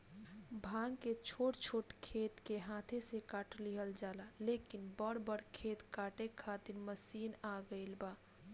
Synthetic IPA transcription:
bʱãŋket͡ʃʰoʈt͡ʃʰoːʈkʰet̪keɦãt̪ʰesekaʈliɦəld͡ʒalalekinbəɽbəɽkʰet̪kaʈekʰat̪iɾməsiːnaɡəɪlba

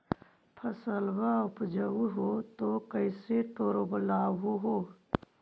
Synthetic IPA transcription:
pʰəsəlbaʊpd͡ʒəuɦot̪okəɪseʈoːɾoblaːʋoɦoː

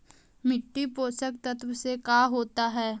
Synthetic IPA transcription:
mɪʈːipoːsək̚t̪ət̪ʋəsekaːɦoːt̪aɦɛː

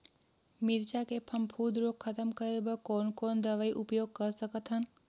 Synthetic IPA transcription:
mɪɾt͡ʃakepʰɐmpʰuːd̪ɾokʰːət̪əmkəɾelbəkoːnkoːnd̪əʋaiʔupjoːɡ̚kəɾsəkət̪ɦən

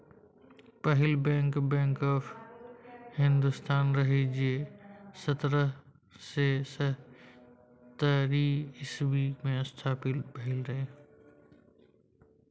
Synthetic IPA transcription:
pəɦɪlbɛ̃ːŋkbɛ̃ːŋkɔːfʰ | hɪ̃nd̪ust̪aːnɾɐɦid͡ʒiesət̪ɾə | sesə | t̪əɾiɪswimẽəst̪ʰaːpɪt̪bəɦɪlɾɐɦeː

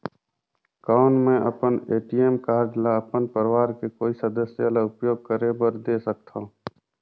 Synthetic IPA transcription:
kɔːnmẽʔɐpəneːʈijeːmkaːʈlaɐpənpəɾɪʋaːɾkekoːisəd̪əsjalaʊpjoːɡ̚kəɾebəɾd̪esək̚t̪ʰã

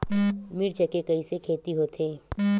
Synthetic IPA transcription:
mɪɾt͡ʃəkekɐisekʰeːt̪iɦoːt̪ʰeː

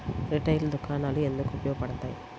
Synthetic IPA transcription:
ɾiʈɐjld̪ukʰaːnaːlue̞nd̪ukuupɐjoːɡɐpɐɽɐt̪aːji

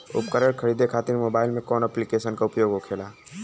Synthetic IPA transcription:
ʊ̰pkəɾəɽkʰəɽiːd̪ʱekʰaːt̪iɾmoːbaːɪlmẽkɔːnɛplikeːʃənkaʊpjoːɡɦokʰeːlaː

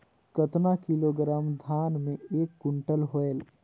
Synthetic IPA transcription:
kət̪nakiloɡɾaːmd̪ʱaːnmẽeːkːʊɳʈəlɦoel

